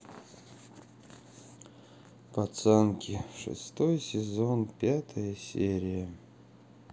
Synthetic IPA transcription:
pɐt̪sɛnkʲɪʂɨ̰st̪ojsʲɪzonpʲat̪ʰəjəsʲeɾʲɪjə

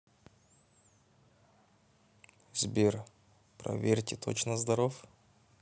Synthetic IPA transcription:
zʲbʲer | pɾɐ̰vʲerʲtʲɪt̪ʰot͡ɕnəzd̪ɐɾof

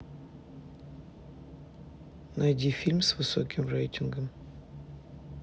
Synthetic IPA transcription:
nɐjdʲifʲilʲmsvɨso̰kʲɪmrɛjtʲɪnɡəm

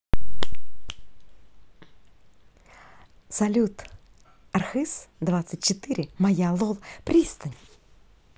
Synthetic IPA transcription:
sɐlʲut̪ | ɐrxɨs | d̪vat̪sɨt̚ʲt͡ɕɪt̪ɨɾʲɪmɐjalˠolˠpɾʲist̪ənʲ

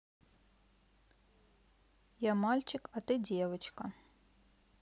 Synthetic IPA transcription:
jamalʲt͡ɕɪkɐt̪ɨdʲevɐt͡ɕkɐ

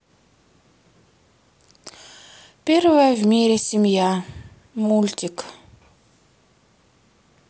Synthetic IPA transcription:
pʲervəjəvmʲeɾʲesʲimʲja | mulʲtʲik

